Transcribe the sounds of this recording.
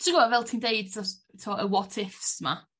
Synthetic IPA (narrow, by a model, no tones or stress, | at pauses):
tɪɡɔvɛlˠtʰiːndejd̥sɔs | tʰɔːəwɔtʰɪfsma̰